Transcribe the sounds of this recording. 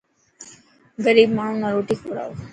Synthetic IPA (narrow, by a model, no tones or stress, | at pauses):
ɡəɾiːbmaːɳ̤unaɾoːʈiːkoɾa̰ː